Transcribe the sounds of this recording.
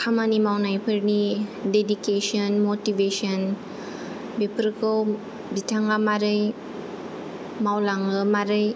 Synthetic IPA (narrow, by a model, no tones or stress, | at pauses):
kʰamanimawnajpʰɯɾnidedikesɔnmotivesɔn | bepʰɾkɯw | bitʰaŋamaɾɯj | mawlaŋɯmaɾɯj